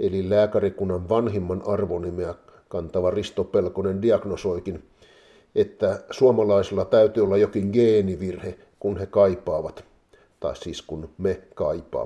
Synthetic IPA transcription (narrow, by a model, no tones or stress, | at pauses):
ʔelilæːkærikunːɑnʋɑnhimːɑnʔɑrʋonimeæ | kɑnt̪ɑʋɑrist̪opelkonendiɑɡ̥nosoikin | et̪ːæsuomɑlɑisilːɑt̪æyt̪yːolːɑjokiŋɡeːniʋirhe | kunhekɑipˑɑːʋɑt̪ | t̪ɑ̰issiːskunmekɑipɑ̰ː